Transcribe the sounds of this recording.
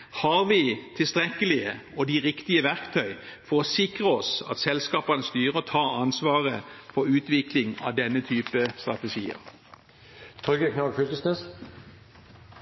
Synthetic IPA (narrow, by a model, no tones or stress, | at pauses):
hɑʁʋit̪ʰɪlst̪ʁɛkəlɪəɔd̪iʁɪkt̪ɪəʋæʁkt̪ʰœʏfɔʁɔsɪkʁəɔsɑ̰t̪sɛlskɑːpɑnəst̪yːʁət̪ʰɑːʁɑnsʋɑːʁəfɔʁʉːt̪ʋɪklɪŋɑ̰ʋd̪ɛnːət̪ʰyːpəst̪ʁɑt̪əʃiːə̰ʁ | t̪ʰʁʏɡəkʰnɑɡfʏlk̪əsnɛs